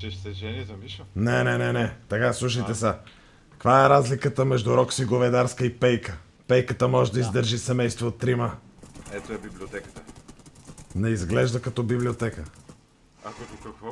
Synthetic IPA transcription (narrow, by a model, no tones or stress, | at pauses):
t͡ʃɛʃt̪ɛʒɛnzɐmiʃnɛnɛnɛnɛt̪ɐkaslˠuʃ̬əjt̪ɛsa | kvaɛɾazlikət̪əmɛʒd̪uɾɔksiɡovɛd̪aɾskəipɛjkə | pɛjkət̪əmɔʒɛd̪ɐizd̪əɾʒisɛmɛjst̪voːt̪ːɾimə | ɛt̪oɛbibliot̪ɛkə̥t̪ə | nɛizɡlɛʒd̪əkɐt̪ɔbibliot̪ɛkə | akok̪kɐkvɔ